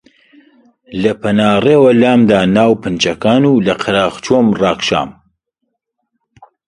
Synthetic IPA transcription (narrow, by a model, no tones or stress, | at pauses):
lɐpʰɐnaːreːwɐlaːmd̪aːnaːwpɨnt͡ʃɐkaːnuːlɐqʰɨɾaːʁt͡ʃomrɑːkʃa̰ːm